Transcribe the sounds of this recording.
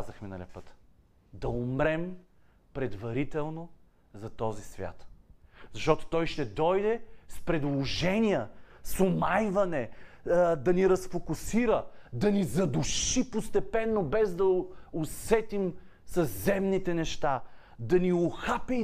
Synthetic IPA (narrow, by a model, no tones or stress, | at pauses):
azɐxminɐ̰lʲipət̪ | d̪ɐʊmɾɛm | pɾɛd̪vɐɾit̪ɛlˠno | zɐt̪ɔzisvʲja̰t̪zɐʃt̪ɔt̪o̥t̪ɔjʃt̪ɛd̪ɔjd̪ɛspɾɛd̪lˠoʒɛnʲijəsʊmajvɐnɛ | d̪ɐniɾɐsfokʊsiɾəd̪ɐnizɐd̪ʊʃipost̪ɛpɛnːobɛzd̪ɐʊsɛt̪im | sɐzzɛmnit̪ɛnɛʃt̪a | d̪ɐniʊxapi